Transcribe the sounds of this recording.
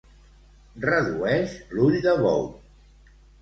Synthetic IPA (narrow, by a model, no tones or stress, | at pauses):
rəðuɛʃluʎd̪əβɔ̰w